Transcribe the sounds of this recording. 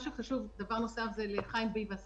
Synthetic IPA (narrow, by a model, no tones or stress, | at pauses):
ʃuχaʃuvd̪avaʁno̞safzeleχajmbijvas